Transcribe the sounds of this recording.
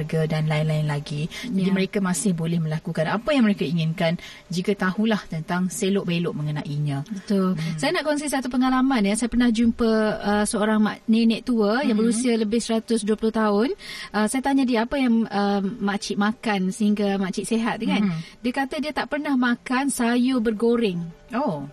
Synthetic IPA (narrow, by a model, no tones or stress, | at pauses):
rɡadanlaɪnlaɪnlaɡid͡ʒadiməɾekamasɪhbolɛhmə̃lakukanapajaŋməɾekaiŋɪnkan | d͡ʒikat̪ahulaht̪ənt̪aŋselʊʔbelʊʔməŋənaʔiɲə̃bət̪ʊlsajanaʔkɔns̬is̬at̪upəŋalamanjəsajapərnahd͡ʒumpəəsəoɾaŋmanenɛʔt̪uəjaŋbəɾusialəbɪhsəɾat̪ʊsduəpulʊht̪aʊnʔəsajat̪aɲadiəapəjaŋəmat͡ʃɪʔ̪̚makansəɦiŋɡamaʔt͡ʃɪt̪̚seɦat̪̚ŋandiakat̪adiət̪aʔpərnahmakansajubərɡoɾɪŋo